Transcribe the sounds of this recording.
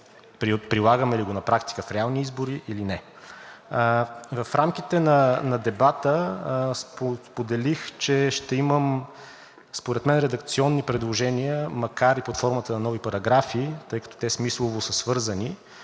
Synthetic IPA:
pɾipɾilˠaɡəmɛliɡonɐpɾakt̪i̥kəfɾɛalˠniizboɾiʔilinɛ | vɐfɾamk̟it̪ɛnɐnɐd̪ɛbat̪əspospod̪ɛlixt͡ʃɛʃt̪ɛiməm | spoɾɛt̪mɛnɾɛd̪ɐk̚t̪siɔnːipɾɛd̪lˠoʒɛniəmɐkaɾipot̪fɔɾmət̪ənɐnɔvipɐɾɐɡɾafiːt̪ɤjkɐ̥t̪ɔ̥t̪ɛsmislˠovosəsvɤɾzəni

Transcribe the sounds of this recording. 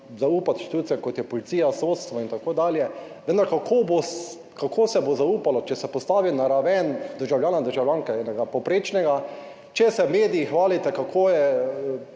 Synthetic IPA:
zauːpat̪ʃt̪it̪uːt̪siɛkot̪jɛpɔlit̪siːjasot̪st̪ʋɔint̪akoːd̪aːljɛ | ʋə̃nd̪aɾkakʰobos | kakʰoːsɛbozauːpalɔt͡ʃɛsɛpɔst̪aːʋinaɾaʋɛnd̪əɾʒawljaːnad̪əɾʒawlʲjaŋkɛɛnɛɡapɔwpɾeːt͡ʃnɛɡa | t͡ʃɛsɛmeːd̪iixʋaːlit̪ɛkakʰoːjɛ

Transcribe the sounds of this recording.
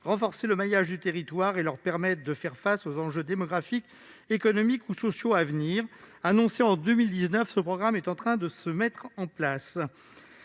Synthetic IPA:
ʁɑ̃fɔʁseləmajaʒd̪yt̪eʁit̪waʁelœʁpɛʁmɛt̪χd̪əfɛʁfasozɑ̃ʒød̪emɔɡʁafik | ekɔnɔmikusɔsjoavniʁanɔ̃seɑ̃d̪ømild̪iznœfsəpχɔɡʁamɛt̪ɑ̃t̪χɛ̃d̪əsəmɛt̪χɑ̃plas

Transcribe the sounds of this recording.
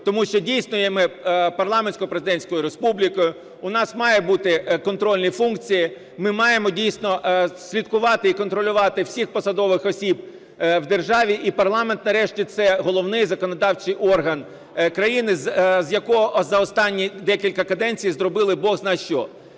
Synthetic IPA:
t̪ɔmuʃt͡ʃɔdʲijsʲnʊjɛmɪpɐrlˠɑmenʲsʲkɔpɾezɪd̪ɛnʲsʲkɔjʊɾespublʲikɔjʊ | ʊnɑsmɑjɛbut̪ɪkɔnt̪ɾɔlʲnijfunkt͡sʲiji | mɪmɑjemɔdʲijsʲnɔsʲlʲit̪kʊʋɑt̪ɪikɔnt̪ɾɔlʲʊʋɑt̪ɪwsʲixpɔsɐd̪ɔʋɪxɔsʲib | wd̪erʒɑʋʲiʔipɐrlˠɑme̞nt̪nɐɾɛʃtʲit̪sɛɦɔlˠɔwnɪjzɐkɔnɐd̪ɑwt͡ʃɪjʔɔrɦɐn | kɾɐjinɪzzjɐkɔɦɔʔzɐɔst̪ɑnʲːid̪ɛkʲilʲkɐkɐd̪ɛnʲt͡sʲijzɾɔbɪlˠɪbɔɣznɑjʃt͡ʃɔ

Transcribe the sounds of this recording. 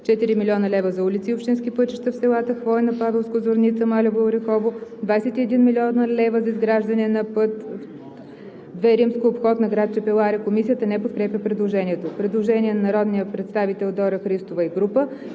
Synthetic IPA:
t͡ʃɛt̪iɾimilʲiɔnəlɛvəzɐulit̪siːopʃt̪inskipɤt͡ʃi̥ʃt̪əfsɛlˠat̪əxvɔjnɐpavɛlˠskozoɾnit̪səmalʲɛbolˠɾɛxɔvod̪vajsɛt̪iɛd̪inmilʲiɔnəlɛvəzɐizɡɾaʒd̪ɐnɛnɐpɤt̪ | d̪vɛɾimskoːpxɔt̪nɐɡɾat̪̚t͡ʃɛpɛlˠaɾɛkomisijət̪ənɛpot̪̚kɾɛpjʲəpɾɛd̪lˠoʒɛniɛt̪opɾɛd̪lˠoʒɛniɛnɐnɐɾɔd̪nijəpɾɛt̪st̪avit̪ɛlˠd̪ɔɾəxɾist̪ovəiɡɾupə

